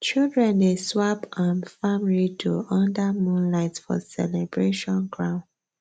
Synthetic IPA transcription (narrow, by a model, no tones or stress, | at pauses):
t͡ʃildɹɛ̃ndeswapãnfamlitʰuɔ̃ndamũnlaɪtfɔ̰sɛ̰lɛbɹeʃɔ̃nɡɹãʊ̃n